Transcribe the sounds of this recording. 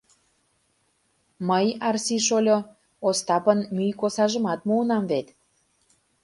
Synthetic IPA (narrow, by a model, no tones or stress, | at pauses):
məjɑrsiʃolʲo | ost̪ɑpənmyjkosɑʒə̆mɑt̪muənɑmvet̪